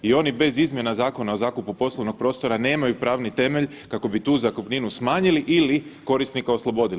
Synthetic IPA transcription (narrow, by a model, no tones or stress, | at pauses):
io̞nibe̞zizmje̞nazaːko̞naozaːkupupo̞slˠoʋno̞ɡ̥̚pɾo̞ːst̪o̞ɾane̞ːmajupɾaːʋnit̪e̞me̞ʎ | kako̞bit̪uːzakopniːnusmaːɲiliʔiliko̞ɾist̪nikao̞slˠo̞bo̞d̪il